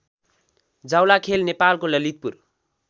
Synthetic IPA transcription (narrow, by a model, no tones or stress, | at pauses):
d͡zawlakʰelnepalkolʌlit̪̚pur